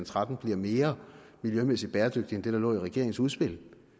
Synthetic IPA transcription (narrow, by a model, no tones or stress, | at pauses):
nt͡sʰʁad̥n̩b̥liɐ̰me̝ːɐmiljømesid̥̚b̥ɛːɐd̥øɡ̥d̥iend̥e̝ɾ̥ɑ̈lɔ̰̽ːiʁɛɡ̥e̝ɐ̰eŋn̩suð̞ˠsb̥e̝l̰